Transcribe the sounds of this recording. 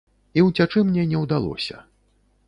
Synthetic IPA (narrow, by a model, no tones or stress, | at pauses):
iwt͡sʲat͡ʂɨmnʲɛnʲɛwd̪alˠɔ̰sʲɐ̰